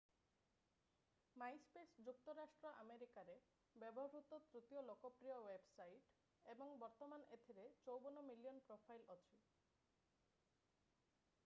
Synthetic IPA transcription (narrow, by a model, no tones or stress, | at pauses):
majspesd͡ʒuk̚t̪ɔɾasʈɾɔʔameɾikaɾe | bebɔɦɾut̪ɔt̪ɾut̪ijɔlokɔpɾijɔwebsajʈ | ebɔŋbɔɾt̪ɔmanet̪ʰiɾet͡ʃowbɔnɔmiliɔnpɾopʰajlɔt͡ʃʰi